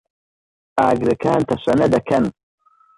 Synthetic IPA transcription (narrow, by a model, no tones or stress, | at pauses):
a̰ːɡɾɨkʰaːnt̪ʰɐɕʷɐnɐd̪ɐkʰɐn